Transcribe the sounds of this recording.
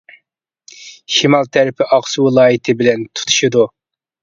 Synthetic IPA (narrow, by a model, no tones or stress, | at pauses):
ʃimɑlˠt̪ʰæɾɪpʰɪʔɑqsuwɨlˠɑːjit̪ʰɪbɪlɛnt̪ʰu̥t̪ʰu̥ʃid̪u